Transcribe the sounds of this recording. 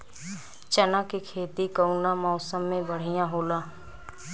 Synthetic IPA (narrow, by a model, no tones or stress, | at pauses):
t͡ʃɐnakikʰeːt̪ikəʊnamɔːsəmːẽbəɽ̤ijãɦoːlaː